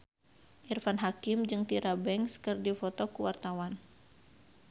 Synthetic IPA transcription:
ʔirfanɦakimd͡ʒɨŋt̪iɾabɛŋskɨrdifɔt̪ɔkuwart̪awan

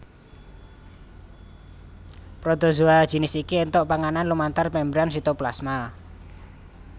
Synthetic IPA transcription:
pɾod̪̥ɔ̤zuad̥ʒ̥i̤nɪsikient̪ɔʔpaŋananlumant̪armɛmbɾansit̪oplasma

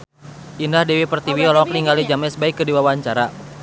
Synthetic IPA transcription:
ʔindahdɛwipərt̪iwiɔlɔkliŋɡalid͡ʒamɛsbaikːədiwawaɲt͡ʃaɾa

